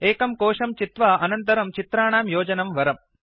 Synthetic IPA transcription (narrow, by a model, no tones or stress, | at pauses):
eːkɐmkoːʂɐmt͡ʃit̪ʋɐʔɐnɐnt̪ɐɾɐmt͡ʃit̪ɾaːɳaːmjoːd͡ʒɐnɐmʋɐɾɐm